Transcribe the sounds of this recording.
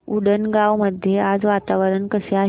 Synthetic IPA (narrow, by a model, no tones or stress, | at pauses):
uɽənɡaʋməd̪ʱjead͡zʋat̪aʋəɾənkəseaɦ